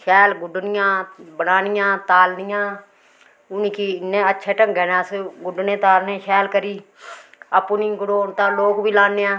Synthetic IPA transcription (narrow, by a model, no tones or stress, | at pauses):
ʃɛːlɡʊɖnɪjãːbənaːnɪjãːt̪aːlnɪjãː | ʊniːkinːẽːətːʃʰɛːʈəŋɡɛːnãːsɡʊɖnẽːt̪aːlnẽːʃɛːlkəɾiː | əpːnĩːɡʊɽoːnt̪ãːloːkbiːlaːneːãː